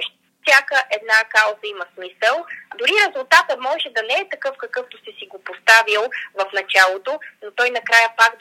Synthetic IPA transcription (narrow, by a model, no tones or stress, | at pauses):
ʃ | fsʲjakəʔɛd̪nakawzəimɐsmisəlˠd̪ʊɾiɾɛzulˠt̪at̪əmɔʒɛd̪ɐnɛɛt̪ɐkɤfkɐkɤft̪osɛsiɡopost̪avilˠvɐfnɐt͡ʃalˠot̪onot̪ɔjnɐkɾajəpak̪